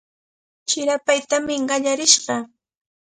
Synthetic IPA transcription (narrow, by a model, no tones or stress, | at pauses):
t͡ʃɪɾapajt̪amɪɢɑʎaɾɪʃɢɑ